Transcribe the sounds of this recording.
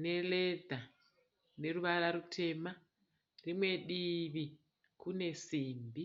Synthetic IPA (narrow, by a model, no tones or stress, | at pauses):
ne̞ledʱa | ne̞ɾuʋaɾaɾutʰe̞ma | rimwe̞ɗiʋi | kune̞siːmbi